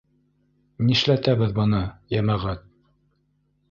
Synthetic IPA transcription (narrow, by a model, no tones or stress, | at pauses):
niʃlæt̪æβɘðbɤ̆nɤjæmæʁæt̪̚